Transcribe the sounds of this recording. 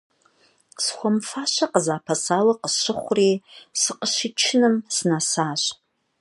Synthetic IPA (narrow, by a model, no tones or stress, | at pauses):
sχʷamfaʃʷaqəzaːpʰasalaqəʃɨχʷrisɨqəʃʷit͡ʃʰɪnɨmsnasaːʃʷ